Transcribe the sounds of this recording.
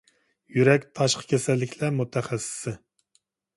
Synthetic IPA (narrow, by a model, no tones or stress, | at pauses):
jyɾɛkʲt̪ʰɑʃqʰə̥kʲʰɛsɛlːɪkʲʰlæɾmut̪ʰɛχɛsɪ̥sɪ